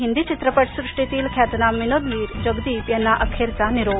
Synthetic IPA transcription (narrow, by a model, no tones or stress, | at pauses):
ɦind̪it͡ɕit̪ɾəpəʈʰsɾɪʂʈit̪iːlkʰjat̪naminodliːɾd͡ʒəɡd̪iːp̪jɐnːaʔɐkʰeɾt͡saniɾoː